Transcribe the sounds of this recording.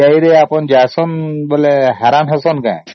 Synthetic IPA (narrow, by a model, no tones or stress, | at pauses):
ajɾejapɔnd͡ʒasɔnbɔlɛɦɛɾanɦɛsɔnkã̰j̃